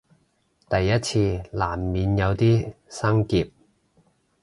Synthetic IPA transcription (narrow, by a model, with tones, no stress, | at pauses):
t̪ɐ˨jːɐ˥t̚t͡sʰiː˧laː˨˩mːiː˨˧njɐ˨˧wt̪iː˥sɐ˥ŋkiː˨˧p̚